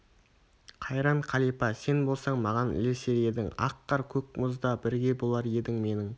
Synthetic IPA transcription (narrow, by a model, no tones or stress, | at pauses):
qʰɑjɾɑɴqʰɑlˠijpɑse̞nbo̞lˠsɑɴmɑʁɑnɪ̰lese̞ɾe̞d̪ɪŋɑ̰qːɑɾkʲʰɵk̚mʊzd̪ɑbɪɾɡʲe̞bolˠɑɾje̞d̪ɪŋme̞nɪŋ